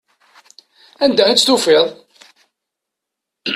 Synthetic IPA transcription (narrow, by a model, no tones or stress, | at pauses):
ænd̪æit͡sːt̪ufeðˤ